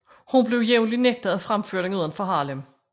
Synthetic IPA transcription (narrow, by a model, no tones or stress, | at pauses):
hunble̝ʊjeʊnlineɡ̥̚d̥əðˠæfʁamføɐ̰ɾeŋuð̞ˠɐnfɒɦɑ̈ːlem